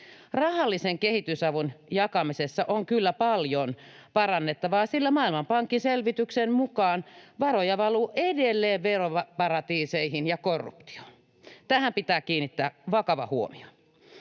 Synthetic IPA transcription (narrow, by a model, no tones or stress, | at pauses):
rɑhɑlːiseŋkehit̪ysɑʋunjɑkɑmisesːɑʔoŋkylːæpɑljonpɑrɑnːet̪ːɑʋɑːsilːæmɑːilmɑmpɑŋkːinselʋit̪yksenmukɑːnʋɑrojɑʋɑluːʔedelːeːʋʋeroʋɑpɑrɑt̪iːseihinjɑkorːṵpt̪i̥o̥n | t̪æhæmpit̪æːkiːnːit̪ːæːʋɑkɑʋɑ̰huomio̥